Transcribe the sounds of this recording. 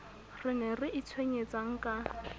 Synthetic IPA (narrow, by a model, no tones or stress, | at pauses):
rɪnɛrɪʔɪt͡sʰweɲet͡sʼaŋ̩kʼa